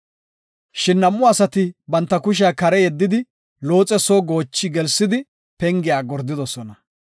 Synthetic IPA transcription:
ʃɪnːɐmːʊɐsɐt̪ɪbɐnt̪ːɐkʊʃ̬ɪakɐɾɛjɛd̪ːɪd̪ɪ | loːt͡sʼɛsoːɡo̞ːt͡ʃːɪɡɛlsːɪd̪ɪ | pɛŋɡɪjaːɡɔɾd̪ːɪd̪ɔsɔnɐ

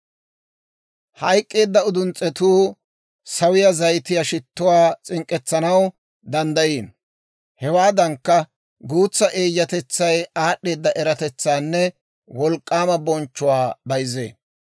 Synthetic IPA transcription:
hɐjkʼːe̞ːd̪ːɐʊd̪ʊnt͡sʼːɛt̪uː | sɐwɪjɐzɐjt̪ɪjaʃɪt̪ːʊwaːt͡sʼɪŋkʼːɛt͡sːɐnɐw | d̪ɐnd̪ɐjiːn | hɛwaːd̪ɐŋkːɐ | ɡuːt͡sːɐʔe̞ːjːɐt̪ɛt͡sːɐjaːɗːe̞ːd̪ːɐʔɛɾɐt̪ɛt͡sːaːnːɛ | wɔlkʼːaːmɐbɔnt͡ʃːʊwaːbɐjzḛː

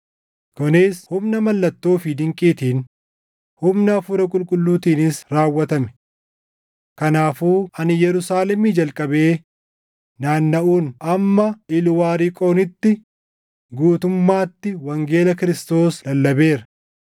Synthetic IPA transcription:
kʊnɪshʊmnɐmɐlːɐt̪ːo̞ːfɪd̪ɪŋkʼiːt̪iːn | hʊmnɐːfʊɾɐkʼʊlkʼʊlːuːt̪iːnɪsɾaːwːɐt̪ɐmɛ̥ | kɐnaːfuːɐnɪjɛɾʊsaːlɛmiːd͡ʒɐlkʼɐbe̞ː | naːnːɐʔuːnɐmːɐɪlwaːɾikʼo̞ːnɪt̪ːɪ | ɡuːt̪ʊmːaːt̪ːɪwɐŋɡe̞ːlɐkɪɾɪst̪o̞ːslɐlːɐbe̞ːɾɐ

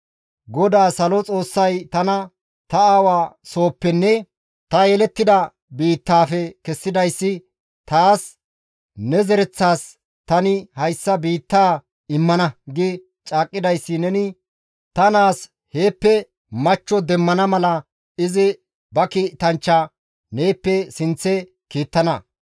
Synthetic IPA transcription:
ɡɔd̪aːsɐlɔt͡sʼo̞ːsːɐjt̪ɐnɐ | t̪ɐaːwaːso̞ːpːɛnːɛ | t̪ɐjɛlɛt̪ːɪd̪ɐ | biːt̪ːaːfɛkɛsːɪd̪ɐjsːɪ | t̪aːs | nɛzɛɾɛt͡sːaːs | t̪ɐnɪhɐjsːɐbiːt̪ːaː | ɪmːɐnɐɡɪ | t͡ʃʼaːkʼːɪd̪ɐjsːɪnɛnɪ | t̪ɐnaːs | he̞ːpːɛ | mɐt͡ʃːɔd̪ɛmːɐnɐmɐlɐ | ɪzɪ | bɐkiːt̪ɐnt͡ʃːa | neːpːɛsɪnt͡sːɛ | kiːt̪ːɐnɐ

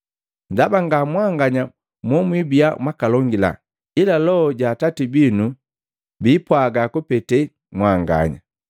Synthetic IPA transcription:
ndabaŋɡamwaŋɡaɲa | mwɔmwibijamwakalɔŋɡila̰ | ilalɔɟaːtatibinu | bipwaɡakupɛtɛ | mwaŋɡa̰ɲa̰

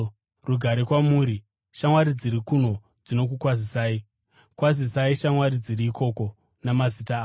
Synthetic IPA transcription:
ruɡʱaɾekwamuːɾi | ʃamwaɾid͡ziɾikun̤o̞ | d͡zino̞k̬ukwazisaːi | kwazisaiʃamwaɾid͡ziɾiːkʰo̞ːko̞ | namazitaː

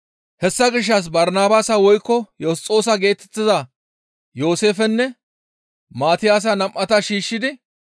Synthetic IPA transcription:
hɛsːɐɡɪʃ̬ːɐs̬bɐɾnaːbaːsɐwɔjkːɔjɔst͡sʼːoːsɐɡe̞ːt̪ɛ̥t̪ːɪzɐ | jo̞ːse̞ːfɛnːɛ | maːt̪ɪjaːs̬ɐnɐmʔːɐt̪ɐʃiːʃːɪd̪ɪ

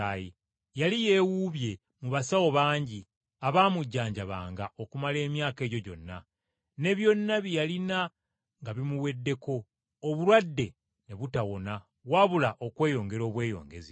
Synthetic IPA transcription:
aji | jalije̞wuβje̞ | muβasawo̞βaːɲɟi | aβaːmuɟːaːɲɟaβa̰ːŋɡao̞kumale̞ːmjaːke̞ːɟo̞ɟo̞̰nːa | ne̞βjo̞nːaβijalina | ŋɡaβimuwe̞dːe̞ko̞ː | βulwadːe̞ | ne̞βutawo̞na | waβulaʔo̞kwe̞ːjo̞ːŋɡe̞ɾoːβwe̞ːjo̞̰ːŋɡezi

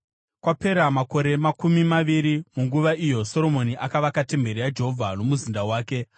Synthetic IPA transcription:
kwape̞ɾamako̞ɾe̞makumimaʋiɾimuŋɡuʋaʔijo̞so̞ɾo̞mo̞niʔakaʋakate̞mbe̞ɾijad͡ʒe̞ɦo̞vʱano̞muzindawaːke̞

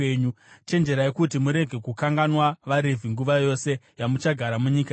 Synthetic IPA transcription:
eɲu | t͡ʃe̞nd͡ʒe̞ɾaekutimuɾe̞ɡʱe̞kukaŋɡanwaʋaɾevʱiŋɡuʋajo̞se̞jamut͡ʃaɡʱaɾamuɲiːka

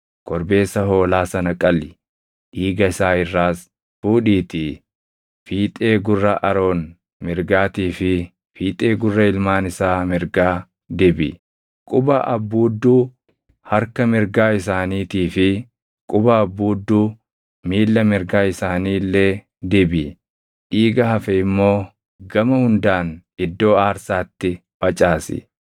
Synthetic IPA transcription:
kɔɾbe̞ːsːɐɦo̞ːlaːsɐnɐkʼɐlɪ̥ | ʔiːɡɐɪsaːɪrːaːs | fuːᶑiːt̪ɪ | fiːt̪ʼe̞ːɡʊrːɐʔɐɾo̞ːn | mɪɾɡaːt̪iːfɪ | fiːt̪ʼe̞ːɡʊrːɐɪlmaːnɪsaːmɪɾɡaː | d̪ɛbɪ | kʼʊbɐʔɐ̰bːuːd̪ːuː | hɐɾkɐmɪɾɡaːɪsaːniːt̪iːfɪ | kʼʊbɐːbːuːd̪ːuː | miːlːɐmɪɾɡaːɪsaːniːlːe | d̪ɛbɪ | ʔiːɡɐhɐfɛɪmːo̞ː | ɡɐmɐhʊnd̪aːnɪd̪ːo̞ːaːɾsaːt̪ːɪ | bɐt͡ʃʼaːsɪ̰

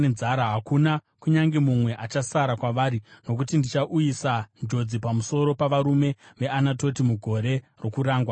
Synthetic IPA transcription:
ed͡zaɾaɦakuna | kuɲaŋɡe̞mumwe̞ʔat͡ʃasaɾakwaʋaːɾino̞k̬utindit͡ʃaʔujisand͡ʒo̞d͡zipamuso̞ɾo̞paʋaɾume̞ʋe̞anato̞timuɡʱo̞ɾe̞ | ro̞kuɾaːŋɡwa

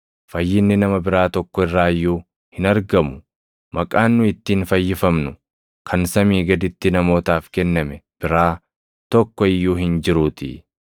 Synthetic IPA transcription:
fɐjːɪnːɪnɐmɐbɪɾaːt̪ɔkːɔɪrːaːjːuː | hɪnɐɾɡɐmʊ | mmɐkʼaːnːʊɪt̪ːiːnfɐjːɪfɐmnʊ | kʰɐnsɐmiːɡɐd̪ɪt̪ːɪnɐmo̞ːt̪aːfkɛnːɐmɛb̥ɪɾaː | t̪ɔkːɔɪjːuːɦɪnd͡ʒɪɾuːt̪ḭ

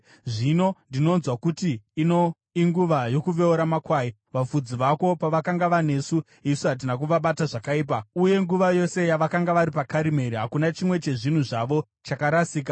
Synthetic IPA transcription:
ʐino̞ndino̞nzwakutiːno̞ | iŋɡuʋajo̞kuʋe̞oɾamakwaːji | ʋafud͡ziʋako̞paʋakaŋɡaʋane̞su | isuɦat̬inak̬uʋaɓataʐakaiːp̬auje̞ŋɡuʋajo̞se̞jaʋakaŋɡaʋaɾipakaɾime̞ɾiɦakunat͡ʃimwe̞t͡ʃe̞ʐin̤uʐaʋo̞ | t͡ʃakaɾasiːk̬a

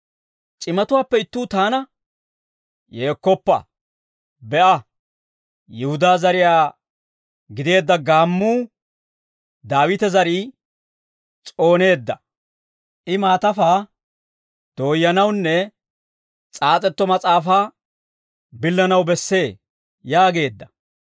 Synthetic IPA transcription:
t͡ʃʼɪmɐt̪ʊwaːpːɛɪt̪ːuːt̪aːnɐ | jeːkːɔpːɐ̰ | bɛʔɐ | jɪhʊd̪aːzɐɾɪjaː | ɡɪd̪e̞ːd̪ːɐɡaːmːuː | d̪aːwɪt̪ɛzɐɾiː | t͡sʼo̞ːne̞ːd̪ːɐ | ʔɪmaːt̪ɐfaː | d̪̥o̞ːjːɐnɐwnːɛ | t͡sʼaːt͡sʼɛt̪ːɔmɐt͡sʼaːfaː | bɪlːɐnɐwbɛsːe̞ː | jaːɡe̞ːd̪ːɐ̥

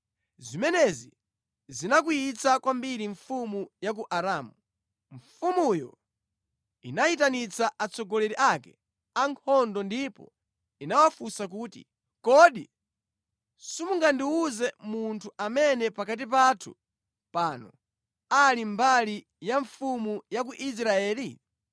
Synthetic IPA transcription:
zimɛnɛzi | zinak̬ujit͡sakwambiɾiɱfumujak̬uʔaɾaːmu | ɱfumujɔ̰ | ḭnajit̬anit͡saʔat͡sɔɡɔlɛɾiʔakɛ | aŋkʰɔndɔndipɔ̰ | inawafusak̬uːtḭ | kɔɗḭ | sumuŋɡandiuzɛmuntʰuʔamɛnɛpakat̬ip̬atʰṵ | paːnɔ | alimbali | jaɱfumujak̬uʔis̬ɾaɛːli

